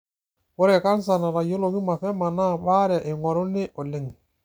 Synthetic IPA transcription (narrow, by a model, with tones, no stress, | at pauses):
wɔ˦ɾɛ˨ka˦ns̬a˨na˨ɾa˨jo˦lo˨ki˦ma˨fɛ˦ma˨na˦ba˦ɾa˨ʔe˨ŋɔ˨ɾɔ˦ne˦ʔɔ˨le˦˨ŋ˨